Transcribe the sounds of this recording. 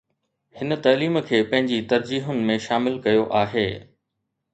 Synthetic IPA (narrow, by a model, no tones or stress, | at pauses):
hɪnə̆t̪ɐːliːmkʰeːpɐ̃ɦɪ̃ɲd͡ʑit̪ɐɾd͡ʑiːɦʊnɪ̆mẽʃaːmɪlkɐjoʔaːɦeː